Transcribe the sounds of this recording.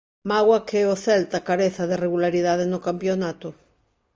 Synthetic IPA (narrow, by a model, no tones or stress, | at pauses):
maɣwakɛoθɛlt̪akaɾeθɐðereɣulaɾiðað̞enokampjonat̪ʊ